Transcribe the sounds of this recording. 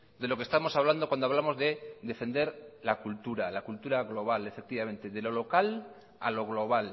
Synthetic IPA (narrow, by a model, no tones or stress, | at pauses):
d̪e̞lo̞kest̪amo̞saβland̪okwand̪oaβlamo̞zðeðe̞fe̞nd̪e̞ɾlakult̪uɾalakult̪uɾaɣlo̞β̞ale̞fek̚t̪iβamẽ̞nt̪e̞ðe̞lo̞lo̞kal | a̰lo̞ɣlo̞β̞al